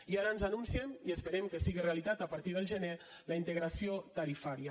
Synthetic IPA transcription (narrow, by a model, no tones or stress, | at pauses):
iaɾənzanunsiəmiəspəɾɛmkəsiɣireəlit̪at̪əpəɾt̪ið̞əlˠʒəne | ləint̪əɣɾasiot̪əɾifaɾjə